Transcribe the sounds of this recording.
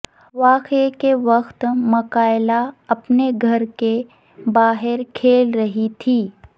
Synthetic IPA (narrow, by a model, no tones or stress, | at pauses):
ʋaːkekeʋɐxt̪mɐkaːɪlaɐpneɡʱɐɾke | baːɦɪɾkʰeːlɾɐɦit̪ʰiː